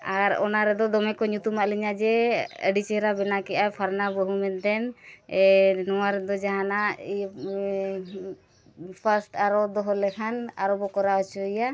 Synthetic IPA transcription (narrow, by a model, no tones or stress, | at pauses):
aɾɔ̰naɾɛd̪ɔd̪ɔmɛkɔɲut̪umaʔliɲad͡ʒɛə̰ɖit͡ʃɛɾabɛnakɛʔapʰaɾnabəɦumɛnt̪ɛn | nɔwaɾɛd̪ɔd͡ʒaɦanaʔ | pʰasʈaɾɔd̪ɔɦɔlɛkʰana̰ɾɔbɔkɔɾaɔt͡ʃɔija